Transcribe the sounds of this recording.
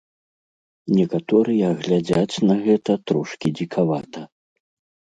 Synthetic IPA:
nʲɛkat̪ɔɾɨjɐɣlʲad͡zʲat͡sʲnɐɣɛt̪ɐt̪ɾɔʂkʲid͡zʲikʰavat̪ɐ

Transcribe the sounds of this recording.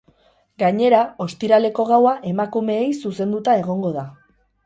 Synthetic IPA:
ɡaɲe̞ɾao̞st̪iɾale̞ko̞ɣawaʔe̞makume̞ːjsuse̞nd̪ut̪ae̞ɣ̞o̞ŋɡo̞ða

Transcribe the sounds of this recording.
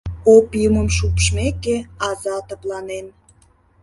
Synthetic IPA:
opiəməmʃupʃmekeɑzɑt̪əplɑnen

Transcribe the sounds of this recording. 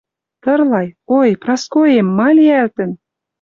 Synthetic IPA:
t̪ɤ̆rlɑjojprɑskojemːɑlʲiælt̪ə̆n

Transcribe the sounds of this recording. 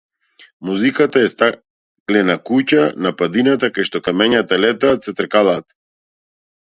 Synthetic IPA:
muzikat̪aɛst̪a | klɛnakucanapad̪inat̪akajʃt̪ɔkamɛɲat̪alɛt̪aːt̪sɛt̪r̩kalˠaːt̪

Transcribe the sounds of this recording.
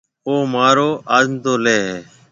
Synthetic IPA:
oːmaːɾoːʔaːzmt̪oːleːɦeː

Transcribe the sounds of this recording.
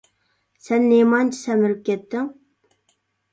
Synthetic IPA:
sɛnːemɑnt͡ʃʰi̥sæmɪɾɪp̚kʲʰɛt̪ːɪŋ

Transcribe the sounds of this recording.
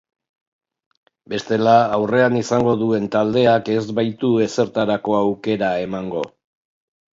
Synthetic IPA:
be̞st̪e̞laːwre̞anisaŋɡo̞ðue̞nt̪ald̪e̞ake̞zbajt̪ue̞se̞ɾt̪aɾako̞awke̞ɾae̞maŋɡo̞̰

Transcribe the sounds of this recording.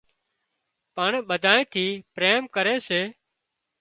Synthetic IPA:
pəɳɓəd̪ʱaːẽːt̪ʰiːpɾeːmkəɾeːseː

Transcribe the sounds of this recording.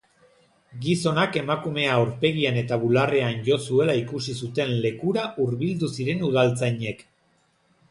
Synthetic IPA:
ɡiso̞nake̞makume̞aoɾpe̞ɣiane̞t̪aβulare̞anʝo̞sue̞laikusisut̪e̞nle̞kuɾaʔuɾβild̪usiɾe̞nuð̞alt͡sajɲe̞k

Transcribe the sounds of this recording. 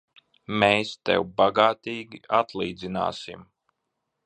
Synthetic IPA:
mɛːst̪ɛ̰wbaɡaːt̪iːɡʲiat̪lˠiːd̪zina̰ːsim

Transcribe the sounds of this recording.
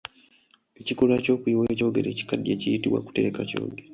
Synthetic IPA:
ecikulaco̞ːkuiweco̞ːɡeɾe̞ːci̥kadːieːcijitiwa̰ku̥te̞ɾekaco̰ːɡe

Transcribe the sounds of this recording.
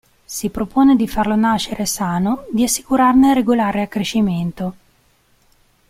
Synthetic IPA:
sipɾopoːned̪ifarlonaʃːeɾesaːnod̪iasːi̥kuɾarnereɡolaːɾeakːɾeʃːiment̪o

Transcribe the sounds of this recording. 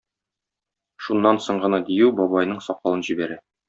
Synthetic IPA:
ʃunːɑnsoɴɢɤ̆nɑd̪ijʉwbɒbɑjnɤɴsɒqɑlˠɤnʑibæɾæ

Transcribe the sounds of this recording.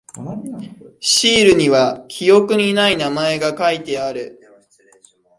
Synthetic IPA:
ɕiːɾɯ̟ɲ̟iβakʲʰijo̞kɯ̟ɲ̟inainamae̞ɡakait̪e̞aɾɯ̟

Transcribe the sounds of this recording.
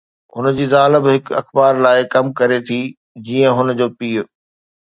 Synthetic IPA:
ɦʊ̰nd͡ʑiːzaːləbɦɪkɐ̰xbaːɾlaːɪkɐmkɐɾet̪ʰiː | d͡ʑiːə̃ɦʊnd͡ʑoːpiːʊ

